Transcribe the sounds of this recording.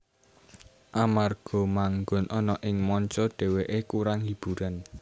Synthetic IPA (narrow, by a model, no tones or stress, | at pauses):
ʔamarɡ̥ɔ̤maŋɡʊnʔɔnɔʔɪŋmɔɲt͡ʃɔɖ̥e̤weʔekuɾaŋhib̥ṳɾan